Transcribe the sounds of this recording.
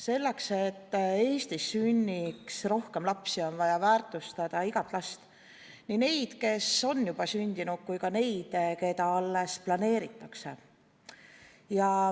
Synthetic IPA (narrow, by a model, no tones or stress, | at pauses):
se̞lːekse̞t̪ːe̞ːst̪isːynʲːiksro̞hke̞mlɑpsio̞nvɑjɑvæːrt̪ˑust̪ɑd̪̥ɑiɡɑt̪lɑst̪ | nine̞jd̪̥ke̞so̞njub̥ɑsynʲd̪̥inud̪̥̚kujkɑne̞jd̪̥ke̞d̪ɑɑlːesplɑne̞ːɾit̪ːˑɑkse̞̰ | jɑ